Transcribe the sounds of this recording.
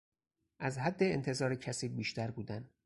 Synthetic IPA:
ʔæzɦæd̪ːe̞ent̪ʰe̞zɒːɾecʰæsiːbiːʃt̪æɾbuːd̪æn

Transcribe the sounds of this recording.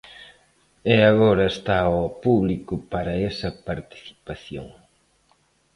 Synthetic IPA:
ɛaɣoɾɐest̪aɔpuβlikʊpaɾɐesɐpaɾt̪i̥θi̥paθjo̰ŋ

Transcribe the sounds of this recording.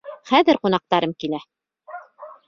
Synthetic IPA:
χæðɘɾqunɑq̚t̪ɑɾɤmkilæ

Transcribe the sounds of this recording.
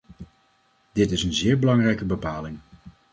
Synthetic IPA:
d̥ɪtɪsənzɪːɹbəlɑŋrɛjkəbəpaːlɪŋ

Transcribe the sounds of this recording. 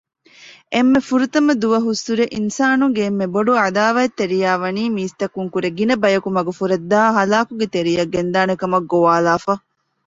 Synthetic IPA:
ʔemːefuɾut̪ɐmɐd̪uʋɐɦusːuɾeʔinsaːnuŋɡeːmːeboɖuad̪aːʋɐet̪ːeɾijaːʋɐniːmiːst̪ɐkuŋkuɾeɡinɐbɐjɐkumɐɡufuɾɐd̪ːaːɦɐlaːkuɡet̪eɾijɐɡːend̪aːnekɐmɐɡːoʋaːlaːfɐ

